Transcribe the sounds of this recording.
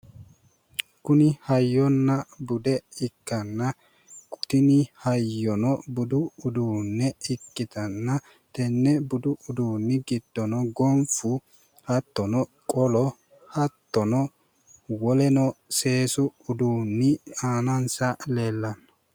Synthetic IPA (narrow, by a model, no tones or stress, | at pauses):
kʊnɪhɐjːɔnːɐbʊd̪ɛɪkːɐnːɐ | kʼʊ̥t̪ɪnɪhɐjːɔnɔbʊd̪ʊːd̪uːnːɛɪkːɪt̪ɐnːɐ | t̪ɛnːɛbʊd̪ʊʊd̪uːnːɪɡɪd̪̥ːɔnɔɡɔmfʊ | hɐt̪ːɔnɔ | kʼɔlɔ | hɐt̪ːɔnɔ | wɔlɛnɔse̞ːsʊːd̪uːnːɪaːnɐnsɐle̞ːlːɐnɐ